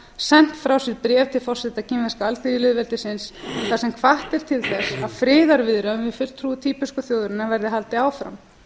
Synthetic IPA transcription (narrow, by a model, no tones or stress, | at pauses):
sɛn̥t̪fɾawsɪɾpɾjɛːvt̪ʰɪlfɔr̥sɛt̪acɪmvɛskaalt̪iðilɪðvɛlt̪ɪsɪnsɛθasɛmkʰvaht̪ɛɾ̥t̪ʰɪlθɛsaðfɾɪːðaɾvɪðɾaʏmvɪfʏl̥t̪ʰɾut̪ʰiːpʏskʏθjowðɾɪnavɛɾðɪɦalt̪ɪaːwfɾa̰m